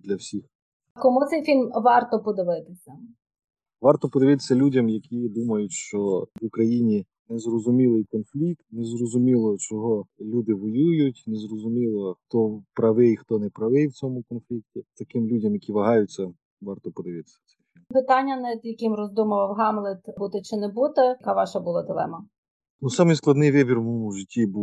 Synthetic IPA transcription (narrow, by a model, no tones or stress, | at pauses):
d̪lʲɐwsʲix | kɔmut̪sɛjfʲilʲmʋɑrt̪ɔpɔd̪ɪʋɪt̪ɪsʲɐ | ʋɑrt̪ɔpɔd̪ɪʋɪt̪ɪ̥sʲɐlʲudʲɐmjɐkʲid̪umɐjʊtʲʃt͡ʃɔʋʊkɾɐjinʲi | nɛzrɔzʊmʲilˠɪjkɔnflʲik̚t̪nezrɔzʊmʲilˠɔt͡ʃɔɦɔlʲud̪ɪʋɔjujʊtʲnɛzrɔzʊmʲilˠɔxt̪ɔpɾɐʋɪjxt̪ɔnɛpɾɐʋɪjwt͡sʲɔmʊkɔnflʲik̚tʲit̪ɐkɪmlʲudʲɐmjɐkʲiʋɐɦɑjʊt͡sʲːɐ | ʋɑrt̪ɔpɔd̪ɪʋɪt̪sʲɐ̥t͡s̪ʲɛ | pɪt̪ɑnʲːɐnɐd̪jɐkɪmrɔzd̪umɐʋɐwɦɑmlˠɪt̪but̪ɛt͡ʃɪnɛbut̪ɛɐkɑʋɑʃɐbʊlˠɑd̪ɪlˠɛ̰mɐ | nusɑmɪjsklˠɐd̪nɪjʋɪbʲirmʒɪtʲːibu